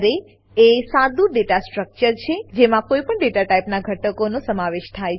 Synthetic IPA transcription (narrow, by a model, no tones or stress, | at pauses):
ɾe | esad̪uɖeʈasʈɾək̚t͡ʃəɾt͡ʃʰed͡ʒemãkoipəɳɖeʈaʈaipnaɡʱəʈəkonosəmaʋeʃt̪ʰaj